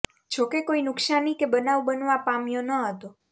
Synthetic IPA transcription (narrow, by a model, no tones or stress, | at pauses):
d͡ʒʰokekoinʊksanikebənaʋbənʋãpamjonəɦət̪o